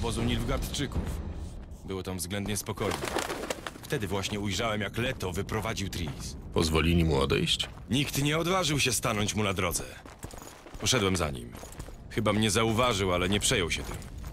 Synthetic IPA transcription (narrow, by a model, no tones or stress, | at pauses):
ɔbɔzuwɲilvɡaɾt̪t͡ʂɘkuf | bɘwɔt̪ãmvzɡlɛnd̪ɲɛspɔkɔjnɛ̰ft̪ɛd̪ɘvwaɕɲɛujʐawɛmjaklɛt̪ɔvɘpɾɔvad͡ʑiwt̪ɾʲiispɔ̰zvɔlʲilʲimuɔ̰d̪ɛ̰jɕt͡ɕ | ɲikt̪ɲɛɔd̪vaʐɘwɕɛst̪anɔɲt͡ɕmunad̪ɾɔd̪zɛ̰ | pɔʂɛd̪wɛmza̰ɲḭm | xɘbamɲɛzauvaʐɘwalɛɲɛpʂɛjɔwɕɛt̪ɘ̰m